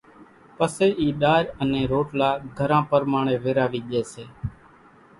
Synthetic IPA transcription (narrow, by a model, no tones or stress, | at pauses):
pəseːʔiːɗaːɾənẽːɾoːʈlaːɡʱəɾãːpəɾmaːɳ̃eːʋeːɾaːʋiːɠeːseː